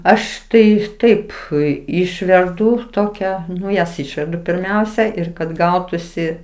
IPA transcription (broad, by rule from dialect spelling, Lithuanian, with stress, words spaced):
ˈɐʃ tɐɪ ˈtɐɪp ˈʊɪ ˈɪʃʲʋʲɛrdʊ ˈtoːkʲɛ ˈnʊ jɛs ˈɪʃʲʋʲɛrdʊ pʲɪrʲˈmʲɛʊsʲɛ ˈɪr kɐt ˈɡɐʊtʊsʲɪ